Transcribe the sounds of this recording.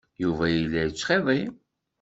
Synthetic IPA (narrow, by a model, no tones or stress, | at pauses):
juvæjəlːæjət͡ʃːχeðˤi